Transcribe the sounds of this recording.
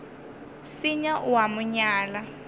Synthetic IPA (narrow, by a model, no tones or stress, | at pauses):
siɲaʔwamuɲaːla